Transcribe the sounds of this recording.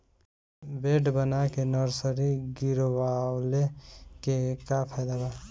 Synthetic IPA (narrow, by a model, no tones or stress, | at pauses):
beːɖbənakenəɾsəɾiɡɪɾwawlekekapʰaːd̪aba